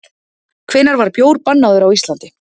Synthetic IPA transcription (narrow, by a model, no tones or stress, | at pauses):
kʰv̥ɪːnaɾvaɾ̥pjoːwɾpanːaðʏɾawist̪lant̪ɪ